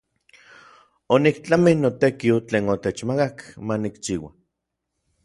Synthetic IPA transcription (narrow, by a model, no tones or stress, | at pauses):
onikt͡ɬaminot̪ekiot͡ɬeːnot̪et͡ʃmakakmanikt͡ʃiːwa̰